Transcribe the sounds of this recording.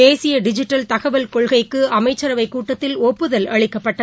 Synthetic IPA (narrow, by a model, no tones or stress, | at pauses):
eːsɪjɐɖɪd͡ʒɪʈːɐlt̪ɐɣɐʋɐlkɔɭɣɐɪkːɯɐmɐɪt͡ʃːɐɾɐʋɐɪkːuːʈːɐt̪ːɪlɔpːɯðɐlɐɭɪkːɐpːɐʈːɐ